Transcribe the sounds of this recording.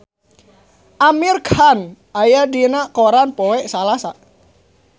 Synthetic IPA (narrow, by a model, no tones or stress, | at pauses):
ʔamirkʰanʔajadinakoɾanpɔwɛʔsalasa